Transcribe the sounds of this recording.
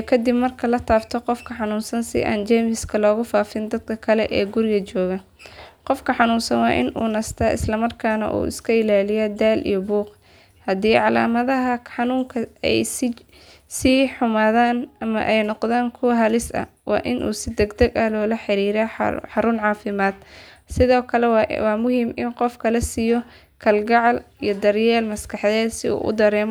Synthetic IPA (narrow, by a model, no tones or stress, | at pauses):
kʰɐd̪ɪbmɐrkʰɐlɐt̪ʰaːbt̪ʰɔqɔfkʰɐħɑnuːnsɐnsɪ̰ʔa̰ːnt͡ʃɛːmɪskʰɐlɔːɣʊfaːfɪnd̪ɐd̪̚kʰɐkʰɐlɛ̰ʔɛːɡʊɾɪɣɐt͡ʃɔːɣɐ | qɔfkʰɐħɑnuːnsɐnwɑːʔɪ̰nʔṵːnɐst̪ʰɐʔɪ̰slɐmɐrkʰaːnɐ̰ʔṵːɪ̰skʰɐɪlaːlɪjɐd̪aːlʔḭjɔbuːq | hɐd̪iːʕɑlaːmɐðɐɦɐħɑnuːŋkʰɐɛ̰js | siːħʊmaːðaːnɐmɐ̰ʔɛjnɔqðaːnkʰʊwɐɦɐlɪsɐ̰wɑ̰ːʔɪnʔṵːsɪd̪ɛɡd̪ɐɡɐlɔːlɐħɪɾiːɾa̰ħɑɾʊnʕɑːfɪmaːd̪̚sɪðɔːkʰɐlɛwɑːmʊhiːmɪnqɔfkʰɐlɐsijɔ | kʰɐlɡɑʕɑlijɔd̪ɐrjɛːlmɐskʰɑħðɛːd̪sɪṵːʔʊ̰d̪ɐɾɛːm